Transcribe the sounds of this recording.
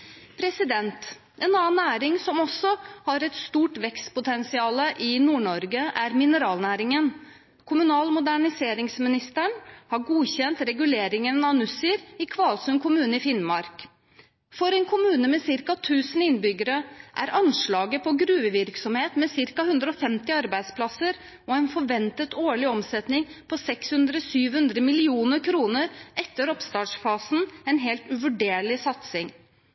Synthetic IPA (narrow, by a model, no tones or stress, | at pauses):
pʰɾɛsɪd̪ɛnt̪ | ʔɛnɑːnːæːɾɪŋsɔmɔsːɔhɑɾɛt̪st̪uːʈʋɛkst̪pʊt̪ʰɛnsɪɑːləʔɪnuːɳɔɾɡəʔæɾmɪnəɾɑːlnæːɾɪŋən | kʰʊmʉnɑːlmʊd̪æɳɪseːɾɪŋsmɪnɪst̪əɳhɑɾɡuːçɛnt̪ɾɛɡʉleːɾɪŋənɑnʉsɪɾɪkʰʋɑːlsʉnkʰʊmʉːnəɪfɪnmɑɾk | fɔɾɛnkʰʊmʉːnəmɛsɪɾkɑt̪ʰʉːsən̩ɪnbʏɡəɾəʔæ̰ɾɑnʂɭɑːɡəpʰɔɡɾʉːəʋɪɾksɔmheːt̪mɛsɪɾkɑhʉnd̪ɾəɔfɛmt̪ɪɑɾbæɪd̪spʰlɑsəɾ | ɔɛnfɔɾʋɛnt̪ət̪ʰoːɭɪɔmsɛt̪nɪŋpʰɔsɛkshʉnd̪ɾəɔsyːʋhʉnd̪ɾəmɪlɪuːnəɾkʰɾuːnəɾɛt̪ːəɾɔpst̪ɑːʈʂfɑːsnɛnɦeːlt̪ʉʋʉɖeːɭɪsɑt̪sɪŋ